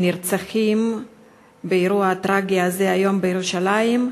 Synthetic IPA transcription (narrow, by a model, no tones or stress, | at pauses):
niɾt͡saxim | beiɾuaːt̪ɾaɡiazeajo̞mbejeɾuʃalajim